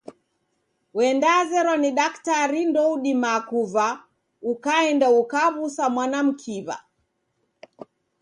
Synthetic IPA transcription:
wɛndaːzɛɾɔniɗaktaɾindɔuɗimakuva | ukaɛndaukaβusamwanam̩kʰiβa̰

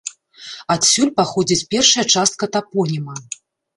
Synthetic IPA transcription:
at̪sʲulʲpaxɔd͡zʲit͡sʲpʲɛrʂɐjɐt͡ʂast̪̚kɐt̪apɔnʲimɐ

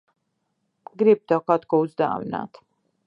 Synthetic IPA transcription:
ɡɾip̚d̪ɔkʰat̪kɔuzd̪a̰ːmna̰t̪ʰ

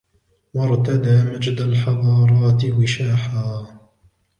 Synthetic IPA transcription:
wɑɾˤt̪ad̪aːmad͡ʒd̪alħɑðˤɑːɾˤɑːt̪ɪwɪʃaːħaː

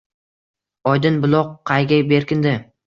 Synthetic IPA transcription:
ɒjd̪ɪnbʊlˠɒqʰːɑjɡʲajbe̞ɾkʲɪnd̪ɪ

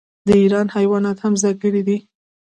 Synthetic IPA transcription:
d̪əiɾɑnhajwɑnɑt̪hamzɑkəɽid̪i

